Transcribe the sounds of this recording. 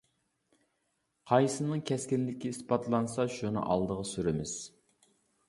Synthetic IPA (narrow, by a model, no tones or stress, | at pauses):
qʰɑjsɨnɨŋkʲʰɛskʲɪnlɪkʲiispɑt̪ʰlˠɑnsɑʃunɨ̰ʔɑ̰lˠd̪əʁɑsyɾɪmɪz̥